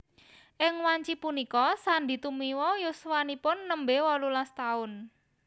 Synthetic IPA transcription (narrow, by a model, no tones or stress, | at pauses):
ʔɪŋwaɲt͡ʃipunikɔsand̪i̤t̪umiwɔjoswanipʊnːəmbewɔlulast̪aʊn